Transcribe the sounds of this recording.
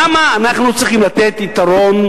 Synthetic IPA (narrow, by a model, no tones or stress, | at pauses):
amaːnaχnut͡sʁiχimlat̪ɛt̪ːit̪aʁo̞n